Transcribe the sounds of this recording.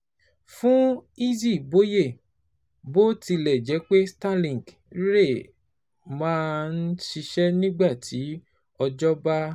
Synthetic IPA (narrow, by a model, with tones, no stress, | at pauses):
fũ˦i˦zi˦˨bo˨˦je˦˨ | bo˦ti˧lɛ˨d͡ʒɛ˨˦k͡pe˦sta˦lĩ˨ɡ | ɾe˦˨ | mãː˦n̩˦ʃi˧ʃɛ˦nĩ˦ɡ͡ba˦˨tʰi˨˦ | ɔ˧d͡ʒɔ˦ba˦